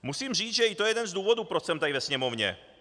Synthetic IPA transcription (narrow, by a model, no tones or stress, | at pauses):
musiːmriːt͡sʒɛit̪ojɛjɛd̪ɛnzd̪uːvod̪upɾot͡ʃsɛmt̪advɛsɲɛmovɲɛ̰